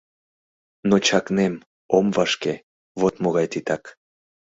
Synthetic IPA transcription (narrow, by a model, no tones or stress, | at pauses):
not͡ɕɑknem | omvɑʃke | βot̪moɣɑjt̪it̪ɑk